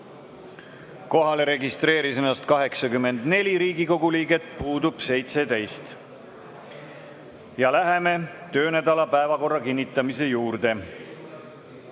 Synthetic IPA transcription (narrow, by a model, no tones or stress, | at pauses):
ko̞ɦɑle̞ɾe̞ɡist̪ɾe̞ːɾisenːɑst̪̚kɑɦe̞ksɑkymːe̞nd̪̥ne̞lʲiɾiːɡiko̞ɡuliːɡe̞t̪ˑpuːd̪ub̥se̞jt̪se̞t̪ejst̪ | jɑlæɦe̞me̞t̪ø̞ːnæd̪ɑlɑpæevɑko̞rːɑkinʲːit̪ːˑɑmise̞juːɾd̪̥e̞